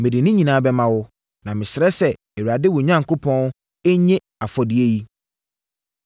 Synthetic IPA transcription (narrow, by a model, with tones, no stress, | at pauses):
mẽ˨di˨nĩ˦ɲĩ˨nãː˨˦bɛ˦mã˨wʊ˦ | nã˨mɪ̃˨sɪ˨ɾɛ˦sɛ˨ | ɛ˨ɥa˨dɪ˦wʊ˨ɲã˦ŋkʰo˦pʰɔ̃˦n | ɛ˦ɲẽ˦ | a˨fɔ˨dɪ˨e˦ji˦